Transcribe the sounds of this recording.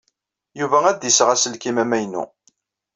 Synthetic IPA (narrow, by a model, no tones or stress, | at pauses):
juvææd̪jəsəʁæsəlkimæmæjnṵ